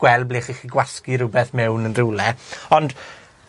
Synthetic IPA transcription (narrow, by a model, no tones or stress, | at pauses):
ɡ̥wɛlˠbliːχiːχiɡwaskiɾʊbɛθmɛwnənrɪwlɛɔnd̥